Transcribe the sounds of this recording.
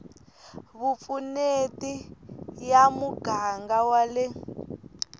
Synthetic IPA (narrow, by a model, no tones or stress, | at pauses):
βup̪funetijamuɡ̥ʱaŋɡawale